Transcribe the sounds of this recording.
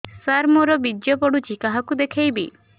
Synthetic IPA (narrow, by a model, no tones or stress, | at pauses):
saɾmɔɾɔbidjɔpɔɽut͡ʃikaɦakud̪ekʰejbi